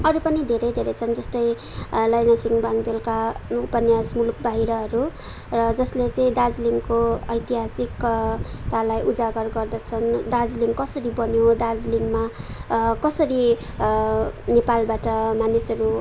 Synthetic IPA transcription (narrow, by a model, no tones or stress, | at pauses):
ʌɾupʌnid̪ʱeɾʌjd̪ʱeɾʌjt͡sʰʌnd͡zʌst̪ʌj | lʌjnasiŋbaŋd̪elkaupʌnjasmuluk̚baɦiɾʌɦʌɾu | rʌd͡zʌslet͡sʌĩd̪ad͡zliŋkoʌjt̪iɦasikt̪alajʔud͡zaɡʌrɡʌrd̪ʌt͡sʰʌnd̪ad͡zliŋkʌsʌɾibʌnjod̪ard͡zliŋma | kʌsʌɾi | nepalbaʈʌmanisʌɾu